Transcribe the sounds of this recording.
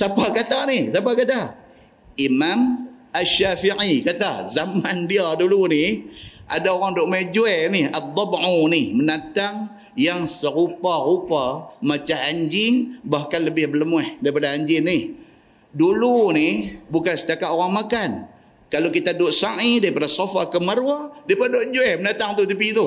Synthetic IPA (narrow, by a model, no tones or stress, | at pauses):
sapakat̪anihsapakat̪a | imam | aʃafiʕikat̪azamandiaduluniʔa̰daoɾaŋdʊʔmed͡ʒuɛniat̪ˤːɑbʕunimənat̪aŋ | jaŋsəɾuparupamat͡ʃaɦaɲd͡ʒɪŋbahkanləbɪhbələmwɛhdaipadaaɲd͡ʒɪnːɪh | dulunibukansə̥t̪akat̪oɾaŋmakan | kalokit̪adʊʔsaʔidaɣipadasofakəməɾwadaipadoʔd͡ʒuɛhmənat̪aŋt̪ut̪əp̬it̪u